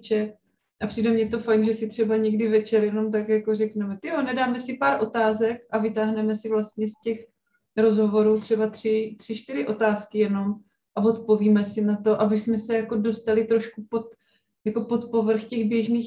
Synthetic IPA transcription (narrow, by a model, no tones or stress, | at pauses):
t͡ʃɛt | ʔapr̝̥iːdɛmɲɛt̪o̞fajnʒɛsɪt̪r̝̥ɛbaɲɛɡdɪvɛt͡ʃɛɾjɛno̞mt̪̬akjako̞rɛknɛmɛt̪jonɛdaːmɛsɪpaːɾʔo̞t̪aːzɛkʔavɪt̪aːɦnɛmɛsɪvlast̪ɲɛscɛx | ɾo̞zɦo̞vo̞ɾuːt̪r̝̥ɛbat̪r̥ɪt̪r̥ɪʃt̪ɪɾɪʔo̞t̪aːskɪjɛno̞m | ʔavo̞t̪po̞viːmɛsɪnat̪o̞ʔabɪsmɛsɛjako̞do̞st̪alɪt̪ɾo̞ʃkupot̪ | jako̞po̞t̪po̞vr̩xcɛɣbjɛʒniːx